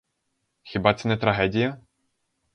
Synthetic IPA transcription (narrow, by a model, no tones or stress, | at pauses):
xʲibat̪sɨnʲɛt̪ɾaɦɛd̪ʲijɐ